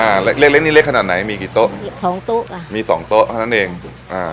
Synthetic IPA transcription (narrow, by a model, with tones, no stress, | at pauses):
ʔaː˧˩le˦˥k̚le˥˩k̚le˦˥ni˦˥le˦˥˩kʰa˨˩t̪na˩˦jmiː˧ki˨˩t̪o˦˥ʔsɔː˩˦ŋt̪u˥˩ka˧miː˧sɔ̰ː˩˦ŋt̪o˦˥ʔ̪ʰa˥˩na˦˥nʔeː˧ŋ | ʔaː˨˩